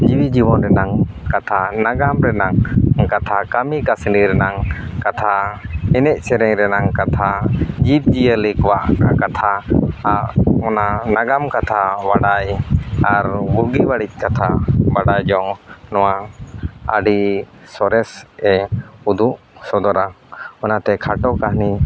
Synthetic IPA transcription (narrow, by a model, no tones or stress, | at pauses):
d͡ʒiwid͡ʒibɔnɾɛnaŋ | kat̪ʰanaɡamɾɛnaŋkat̪ʰakamikasniɾɛnaŋkat̪ʰaɛnɛc̚sɛɾɛɲɾɛnaŋkat̪ʰad͡ʒip̚d͡ʒijəlikɔwaʔakat̪ʰaaʔɔnanaɡamkat̪ʰawaɽajaɾbuɡiwaɽic̚kat̪ʰabaɽajd͡ʒɔŋnɔwa | ə̰ɖisɔɾɛsɛud̪uʔ | sɔd̪ɔɾaɔnat̪ɛkʰaʈɔkahni